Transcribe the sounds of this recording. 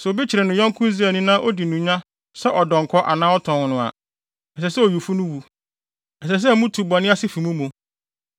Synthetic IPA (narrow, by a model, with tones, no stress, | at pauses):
sʊ˨bi˦t͡ɕʰɪ˨ɾɛ˨nʊ̃˨ɲɔ̃˦ŋ˦kʰʊ̃˦n˦zi˦æ˨nĩ˦nãː˦ʔo˦di˨nũ˨ɲã˦ | sɛ˦ʔɔ˨dɔ̃˨ŋ˨kʰɔ˦ʔa̰˨nãː˦ɔ˦tʰɔ̃˨ŋ˨nʊ̃˨a̰˨ | ɛ˨sɛ˨sɛ˦o˨ju˨fu˦nʊ̃˦wu˨ | ɛ˨s̬ɛ˨s̬ɛ˦mũ˦tʰu˨bɔ˨nɪ̃˦a˦sɪ˦fi˨mũ˦mũ˨